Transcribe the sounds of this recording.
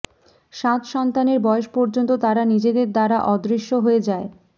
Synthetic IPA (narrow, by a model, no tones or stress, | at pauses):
ʃat̪ʃɔnt̪aneɾbɔeoʃpɔɾd͡ʑont̪ot̪aɾanid͡ʑed̪eɾd̪aɾaʔɔd̪ɾiʃːoɦoed͡ʑae